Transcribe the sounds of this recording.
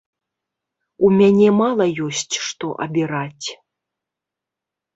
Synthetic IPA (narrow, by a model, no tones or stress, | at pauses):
umʲanʲɛmalˠɐjɔsʲt͡sʲʂt̪ɔ̰ʔɐ̰bʲiɾat͡sʲ